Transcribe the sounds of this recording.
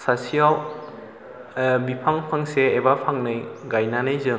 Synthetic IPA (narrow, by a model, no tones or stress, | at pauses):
sasial | bipʰaŋpʰaŋseːbapʰaŋnɯjɡajnanajzɯŋ